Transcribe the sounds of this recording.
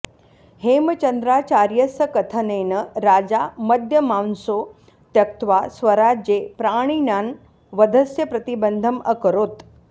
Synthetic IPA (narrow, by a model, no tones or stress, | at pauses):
heːmət͡ʃənd̪ɾaːt͡ʃaːɾjəsəkɐt̪ʰəneːnəɾaːd͡ʑamɐd̪ʱjəmawnso | t̪jɐk̚t̪ʋasʋɐɾad͡ʒjepɾaːɽ̃inaːn | ʋəd̪ʱəsjəpɾɐt̪ibənd̪ʱəmɐkəɾoːt̪